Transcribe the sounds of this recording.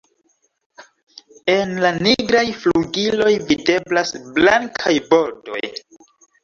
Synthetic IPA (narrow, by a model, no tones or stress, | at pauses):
e̞nlaniɡɾajfluɡilo̞jvide̞blasblaŋkʰajbo̞do̞̰j